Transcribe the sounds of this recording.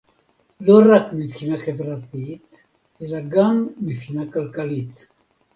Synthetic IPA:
lo̞ʁakmipχinaχe̞vʁat̪it̪ | elaɡamːipχinakalkalit̪

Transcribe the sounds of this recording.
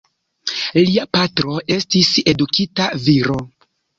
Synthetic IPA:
liapatɾo̞ʔe̞stise̞dukʰitaviɾo̞

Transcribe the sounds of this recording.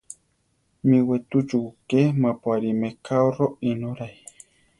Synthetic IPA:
miwet̪ud͡ʒukemãpwaɾimekaoroinoɾaj

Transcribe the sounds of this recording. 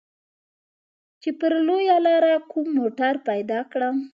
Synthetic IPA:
t͡ʃepəɾlojalɑɾakumːoʈaɾpajd̪ɑkɽam

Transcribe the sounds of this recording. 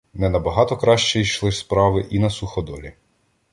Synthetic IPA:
mnɛnɐbɐɦɑt̪ɔkɾɑʃt͡ʃɛiʃlˠɪspɾɑʋɪʔinɐsuxɔd̪ɔlʲḭ

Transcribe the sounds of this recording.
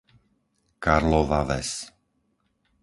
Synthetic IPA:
kaɾlɔʋaʋɛ̰s

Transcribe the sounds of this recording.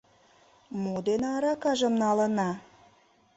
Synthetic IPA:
mod̪enɑɾɑkɑʒə̆mnɑlə̆nɑ

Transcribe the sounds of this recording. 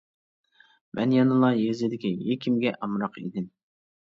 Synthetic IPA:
mʔɛ̰njɑnɨlˠɑjezɪd̪ɪkʲijekʲʰimɡʲɛʔɑmɾɑqḭd̪ɪm

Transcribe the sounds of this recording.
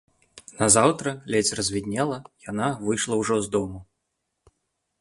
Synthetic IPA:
nɐzawt̪ɾɐlʲɛt͡sʲrɐzʲvʲid̪ʲnʲɛlˠɐjanavɨjʂlˠɐwʐɔzd̪ɔmu

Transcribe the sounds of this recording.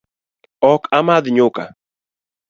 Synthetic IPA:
ɔkamaðɪɲʊka̰

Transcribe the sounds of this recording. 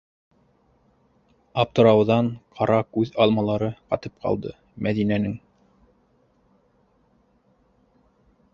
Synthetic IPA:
ɑp̚t̪ŏɾɑwðɑɴqʰɑɾɑkʉðɑlˠmɑlˠɑɾɤqɑt̪ɤp̚qʰɑ̰lˠd̪ɤ̰ | mæðinænɘŋ

